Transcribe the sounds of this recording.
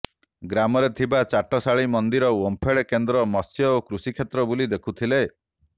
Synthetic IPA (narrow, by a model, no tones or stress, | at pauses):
ɡɾamɔɾet̪ʰibat͡ʃaʈɔsaɭimɔnd̪iɾɔwompʰeɭekend̪ɾɔmɔsjɔokɾusikʰet̪ɾɔbulid̪ekʰut̪ʰile